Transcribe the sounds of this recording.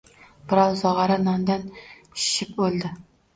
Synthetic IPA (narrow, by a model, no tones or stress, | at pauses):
b̥ɨɾɑlˠzɑʁɑɾɑnɑnd̪ɑn | ʃʃip̚bolˠd̪ɪ